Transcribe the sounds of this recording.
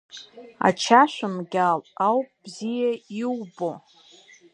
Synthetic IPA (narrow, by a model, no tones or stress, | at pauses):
a̰t͡ʃʰaʃʷᶣamɡʲalawpʼb̥zijaiwbo